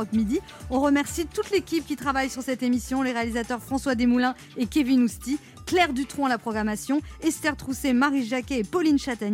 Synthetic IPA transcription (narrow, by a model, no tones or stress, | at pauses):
ɔkmid̪i | ɔ̃ʁəmɛʁsit̪ut̪lekʲip̚kʲit̪χavajsyʁsɛt̪emisjɔ̃leʁealizat̪œʁfχɑ̃swad̪emulɛ̃ | ekʲevinust̪i | klɛʁd̪yt̪χɔ̃alapχɔɡʁamasjɔ̃ɛst̪ɛʁt̪χusemaʁiʒakʲɛːpɔlinʃat̪aɲ